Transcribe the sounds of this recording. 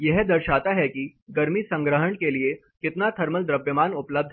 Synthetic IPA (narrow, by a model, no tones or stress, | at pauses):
jɛɦd̪əɾʃat̪aɦɛkiɡɐɾmiːsə̃ŋɡɾəɦəɳkelie | kɪt̪nat̪ʰɐɾməld̪ɾəbjəmaːnʊpləb̚d̪ʱ